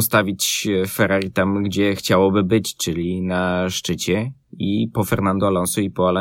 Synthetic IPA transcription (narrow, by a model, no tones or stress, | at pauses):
st̪avʲit͡ɕfɛɾaɾʲit̪amɡd͡ʑɛxt͡ɕawɔbɘbɘt͡ɕt͡ʂɘlʲinaʂt͡ʂɘt͡ɕɛ | ipɔfɛɾnand̪ualɔnsuipɔalɔ